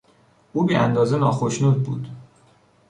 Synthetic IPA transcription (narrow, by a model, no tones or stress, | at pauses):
ʔuːbiːæ̰nd̪ɒːzenɒːxoʃnuːd̪̚bṵːd̪̥